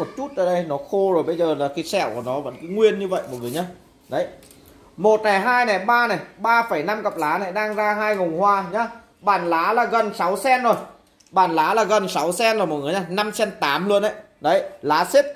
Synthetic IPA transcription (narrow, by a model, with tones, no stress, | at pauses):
o˨˩t̚t͡ɕu˦˥t̚ʔəː˧˩ɗə˧jnɔ˨˦xo˧zo˨˩jɓə˧jzəː˨˩laː˨˩ki˨˦sɛ̰˧˩˨wku˧˩ənɔ˨˦və̰˧˥nki˨˦jŋwi˧ənɲɨ˧və̰˧˨jvo˨˩vi˨˩ɲaː˨˧˦ | ɗə˨˦j | mo˨˩t̚na˨˩jɦaː˧jnɛ˨˩ɓaː˧na˨˩jɓaː˧fə˧˩jna˧mkə˨˩p̚laː˨˦na˨˩jɗaː˧ŋzaː˧ɦaː˧jŋə˨˩wŋ͡mhwaː˧ɲaː˨˦ | ɓaː˧˩nlaː˨˦laː˨˩ɣə˨˩nsa˨˦wsɛ˧nzo˨˩j | ɓaː˧˩nlaː˨˦laː˨˩ɣə˨˩nsa˨˦wsɛ˧nzm̚˨˩ŋɨ˨˦ɲaː˧˩na˧msɛ˧nt̪aː˨˦mlu˧ənʔə̰˧˨j | ɗə˨˦jlaː˨˦si˦˥t̚